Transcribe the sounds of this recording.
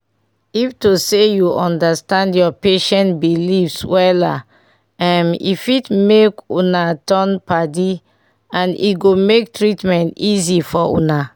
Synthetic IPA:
iftusejuʔɔ̃ndastãndjɔpeʃɛ̃ntbilifswɛla̰ | ãmḭfitmekunatɔ̃npadi | ãnḭɡomek̚tɹitmɛ̃ntizifɔṵna

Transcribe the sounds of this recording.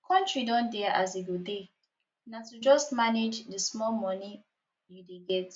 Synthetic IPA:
kʰɔ̃ntɹidɔ̃ndɛʔazeɡude | natud͡ʒɔstmaned͡ʒdəsmɔlmɔ̃ni | judeɡɛt

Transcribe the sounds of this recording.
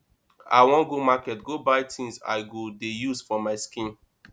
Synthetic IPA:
a̰wɔ̃nɡomakɛtɡobaɪtʰĩnza̰ɪɡodejuzfɔmaɪskĩn

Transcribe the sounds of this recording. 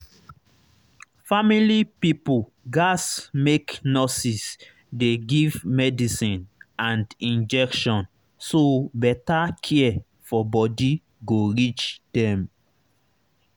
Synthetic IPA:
familipipu | ɡasmeknɔsis | deɡivmɛdisĩnãndĩnd͡ʒɛkʃɔ̃n | sobɛtakʰɛɛ | fɔbɔdi | ɡoɹit͡ʃd̥ɛ̃m

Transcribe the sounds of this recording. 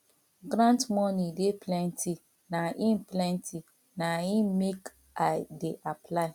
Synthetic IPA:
ɡɾãntmɔnideplɛ̃ntʰi | naʔĩnplɛ̃ntʰi | naĩmek | adeʔapʰlaɪ

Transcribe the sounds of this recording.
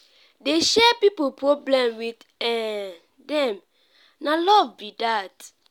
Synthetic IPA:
deʃɛpipopɹoblɛ̃mwit | ɛ̃ | dɛ̃m | nalɔvbidat

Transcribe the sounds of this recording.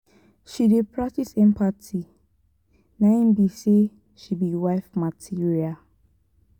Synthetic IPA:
ʃidepʰɹak̚tisɛ̃mpatʰi | naĩmbise | ʃibiwaɪfmatʰiɹia

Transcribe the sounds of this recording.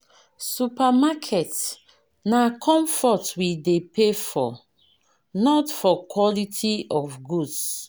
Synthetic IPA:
supamakʰɛt | nakʰɔ̃ɱfɔtwidepʰefɔ̰ | nɔtfɔkwɔlitʰiɔfɡuds

